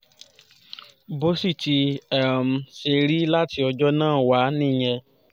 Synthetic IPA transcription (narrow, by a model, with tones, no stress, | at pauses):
bo˦si˦˨ti˧ɛ˦m̩˨se˧˨ɾi˦la˦ti˧ɔ˧d͡ʒɔ˦nãː˦˨wa˨˦nĩ˦˨ɲɛ̃˧